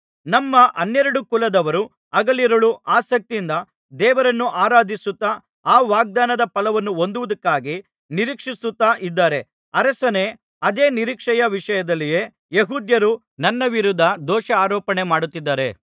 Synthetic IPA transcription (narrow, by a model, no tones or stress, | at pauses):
nɐmːɐʔɐnːɛɾɐɽukulɐd̪ɐʋɐɾu | ɐɡɐliɾɐɭuaːsɐk̚t̪ind̪ɐ | d̪ɛːʋɐɾɐnːuʔaːɾaːd̪ʱisut̪ːɐ | aːʋaːɡ̚d̪aːnɐd̪ɐpɐlɐʋɐnːuo̞nd̪uʋud̪ɐkːaːɡi | niɾiːkʂisut̪ːaːʔid̪ːaːɾe̞ | ɐɾɐsɐne | ɐd̪eːniɾiːkʂɐjɐʋiʂɐjɐd̪ɐlːije̞ː | jeɦuːd̪jɐɾu | nɐnːɐʋiɾud̪ʱːɐd̪ɔːʂɐaːɾɔːpɐɳe̞maːɽut̪ːid̪ːaːɾe̞̰